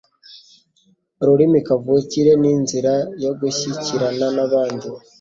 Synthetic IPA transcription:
ɾuɾimikavuciɾe̞ninziɾajo̞ɡuçiciɾananaβaːndu

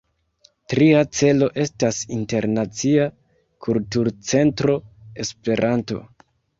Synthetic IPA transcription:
tɾiat͡se̞lo̞ʔe̞stasinte̞ɾnat͡sia | kʰultuɾt͡se̞ntɾo̞e̞spe̞ɾʔanto̞̰

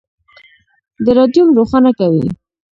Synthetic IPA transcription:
d̪əɾɑd̪jumɾoxɑnakawḭ

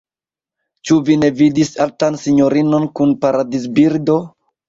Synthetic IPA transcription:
t͡ʃuvine̞vidisaltansiɲo̞ɾino̞nkunpaɾadis̬biɾdo̞

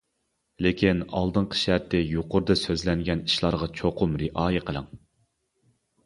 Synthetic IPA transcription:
lekʲʰinɑ̰lˠd̪ɨɴqʰə̥ʃæɾt̪ʰɪjuqʊɾd̪ɨsøzlɛŋɡʲɛniʃlˠɑɾʁɑt͡ʃʰoqʰʊmɾɪʔɑːjɪqʰəlˠə̰ŋ

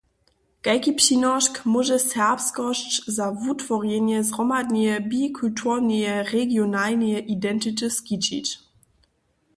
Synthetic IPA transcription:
ɡ̥aɪkipɕinɔʃkmuʒəsɛɐpskɔʃzavutfɔʁjenjəzʁɔmadniəbikʰultʰunəəʁeɡjonalnəəʔidɛntitəskit͡ʃḭt

